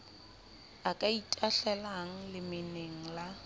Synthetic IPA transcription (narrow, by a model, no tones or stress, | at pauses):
akʼaitʼaɬɛlaŋ̩lɪmɪneŋ̩la